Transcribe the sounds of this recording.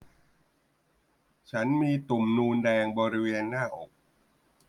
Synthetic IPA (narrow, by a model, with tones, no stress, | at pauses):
t͡ɕʰa˦˥nmiː˧t̪u˨˩mnuː˧ndɛː˧ŋbɔː˧ɾi˦˥weː˧nːaː˥˩ʔo˨˩k̚